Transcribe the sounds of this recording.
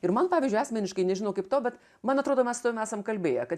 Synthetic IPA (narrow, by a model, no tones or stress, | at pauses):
ɪɾmɐnpɑːʋʲɪzʲd͡ʒʲʊɑːsʲmʲɛnʲɪʃkɐɪnʲɛʒʲɪnoʊkɐɪpt̪oːbʲɛt̪ | mɐnɐt̪ɾoːd̪oːmʲɛsʊ̥t̪ɐʋʲɪmæːsɐmkɐlʲbʲeːjɛkɐt̪